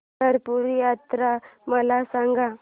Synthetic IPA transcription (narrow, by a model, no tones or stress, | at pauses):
əɾpuɾjat̪ɾaməlasãŋɡa